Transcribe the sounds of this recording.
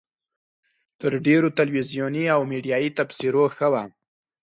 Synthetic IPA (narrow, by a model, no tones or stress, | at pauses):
t̪əɾɖeɾot̪alwizjoniawmeɖijɑjit̪afsiɾoxəwa